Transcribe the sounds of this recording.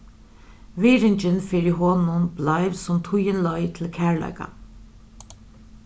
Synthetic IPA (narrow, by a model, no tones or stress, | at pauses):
ʋiːɹɪɲt͡ʃənfeːɹiɦɔːnʊnblɑɪʋsɔmt̪ʰʊjənlɔʏt̪ʰɪlkʰæːɹɭɑ̰ɪka̰